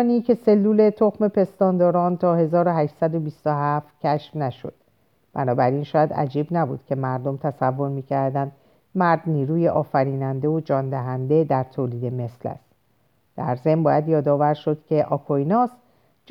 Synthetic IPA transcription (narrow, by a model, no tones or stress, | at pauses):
nicʰe̞se̞lːuːle̞t̪ʰo̞xme̞pʰe̞st̪ɒːnd̪ɒːɾɒːnt̪ʰɒːhe̞zɒːɾoɦæːʃsæd̪o̞bist̪oɦæft̪cʰæʃfnæʃo̞̰d̪̥ | b̥æ̰nɒːbæɾinʃɒːjæd̪æ̰d͡ʒiːbnæbṵd̪̥cʲʰe̞mæɾd̪o̞mt̪ʰæsævːo̞ɾmiːcʰæɾd̪ænd̪ | mæɾd̪niːɾuːjeʔɒːfæɾiːnænd̪e̞od͡ʒɒːnd̪æɦænd̪e̞d̪æɾt̪ʰoːliːd̪e̞me̞slæ̰st̪ | d̪̥æ̰ɾze̞mbɒːjæd̪jɒːd̪ɒːvæɾʃo̞d̪̥cʰe̞ʔɒːkʰoinɒːs | d͡ʒ